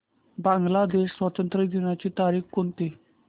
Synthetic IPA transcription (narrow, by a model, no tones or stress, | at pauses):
bãŋɡlaːd̪eːʃwət̪ənt̪ɾəd͡ʒ̪inãt͡ʃit̪aːɾiːxkʊnt̪iː